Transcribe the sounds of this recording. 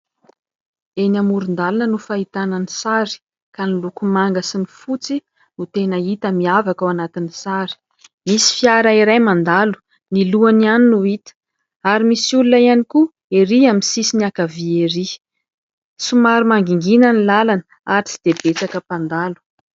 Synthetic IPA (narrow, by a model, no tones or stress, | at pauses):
enamuɾund̪alanənufait̪ananisaɾi̥ | kanilukumaŋɡasinifut͡si | nut̪enəit̪əmiavakawanat̪inisaɾi̥ | misi̥fiaɾaiɾajmand̪alu̥ | niluanianinuit̪ə̥ | aɾimisulunaianiku | eɾiaminsisiniakavieɾi | sumaɾimaŋɡiŋɡinənilalanə | aɾit͡si̥d̪̥ebet͡sakəpand̪alu̥